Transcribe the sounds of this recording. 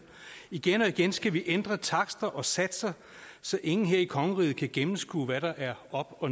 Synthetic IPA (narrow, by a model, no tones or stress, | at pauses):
iɡ̥enɒ̽iɡ̥ensɡ̥æʋiʔend̥ʁɐt͡sʰɑ̈ɡ̥sd̥ɐʔɒ̽sæd̥sɐ | sɒ̽ʔe̝ŋn̩ɦe̝ɐ̰ikʰɒ̽ŋəʁiːð̩ˠkʰæɡ̥emm̩sɡ̥ṵːʋæɾɑ̈ʔæɐɒ̽b̥ɒ̽